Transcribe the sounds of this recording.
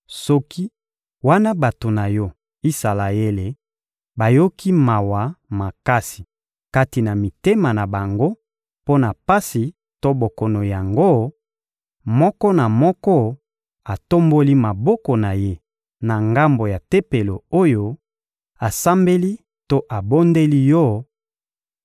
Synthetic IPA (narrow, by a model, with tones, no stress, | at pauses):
sɔ˦ki˦ | wa˦na˦ba˨to˨na˨jɔ˦ | i˦sa˨la˨je˦le˨ | ba˨jo˦ki˦ma˨wa˨ma˨ka˦si̥˨ | ka˦ti˨na˨mi˨te˦ma˨na˨ba˨ŋɡo˦ | po˦na˨pa˦si˨ | to˦bo˨kɔ˨no˨ja˨ŋɡo˦ | mɔ˦kɔ˦na˨mɔ˦kɔ˦ | a˨to˦mbo˦li˦ma˨bɔ˦kɔ˨na˨je˦ | na˨ŋɡa˦mbo˨ja˨te˦pe˨lo˨o˦jo˦ | a˨sa˦mbe˦li˦ | to˦ʔa˨bo˦nde˦li˦jɔ˦